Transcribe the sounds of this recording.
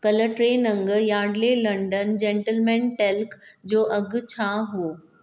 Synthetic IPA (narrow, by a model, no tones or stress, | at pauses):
kɐləʈɾeːnɐ̃ŋɡjaːɖlelɐ̃ɳɖənd͡ʑeːɳʈəlmɛ̃ːɳʈelkd͡ʑoːʔɐɡ̆ʱt͡ɕʰaːɦuoː